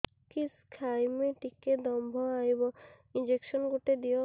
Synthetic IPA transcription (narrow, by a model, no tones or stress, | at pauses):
kiskʰajmeʈikːed̪ɔmbʱɔ̃ajbɔ | ind͡ʒekʃɔnɡuʈed̪ijɔ